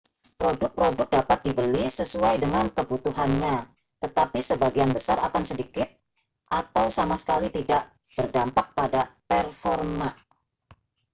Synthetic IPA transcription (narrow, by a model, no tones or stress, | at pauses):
pɾodʊk̚pɾodʊk̚dapat̪̚dibəlisəsuajdəŋankəbut̪uɦanɲa | t̪ət̪apisəbaɡianbəsaɾakansədikɪt̪̚ | ʔat̪awsamasə̥kalit̪idaʔ | b̥ərdampak̚padapɛrfɔrma